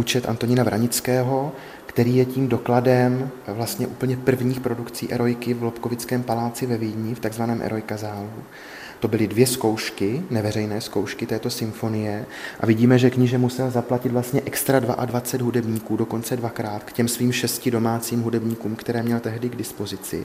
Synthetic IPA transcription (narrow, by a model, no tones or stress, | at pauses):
uːt͡ʃɛt̪ʔa̰nt̪o̞ɲɪnavɾaɲɪt͡skɛːɦo̞ | kt̪ɛɾiːjɛciːmdo̞kladɛmvlast̪ɲɛʔuːpl̩ɲɛpr̩vɲiːxpɾo̞dukt͡sḭːʔɛɾo̞jkɪvlo̞pko̞vɪt͡skɛːmpalaːt͡sɪvɛvidɲɪft̪aɡzvanɛːmʔɛ̰ɾo̞jkazaːlu | t̪o̞bɪlɪdvjɛsko̞wʃkɪnɛvɛrɛjnɛːsko̞wʃkɪt̪ɛːt̪o̞sɪmfo̞nɪjɛ | ʔa̰vɪɟiːmɛʒɛkɲɪʒɛmusɛlzaplacɪt̪vlast̪ɲɛʔɛkst̪ɾadvaʔadvat͡sɛd̪ɦudɛbɲiːkuːdo̞ko̞nt͡sɛdvakɾaːt̪kcɛmsviːmʃɛscɪdo̞maːt͡siːmɦudɛbɲiːkuːmkt̪ɛɾɛːmɲɛlt̪ɛɦdɪɡdɪspo̞zɪt͡sɪ̰